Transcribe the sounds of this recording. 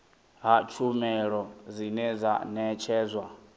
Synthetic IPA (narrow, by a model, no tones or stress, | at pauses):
ɦat͡ʃʰumɛɺɔzinɛza̰nɛt͡ʃʰɛːzwa